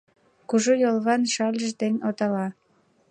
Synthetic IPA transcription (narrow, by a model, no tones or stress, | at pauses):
kuʒojolˠɣɑnʃɑlʲəʃ̬d̪enʲot̪ɑlɑ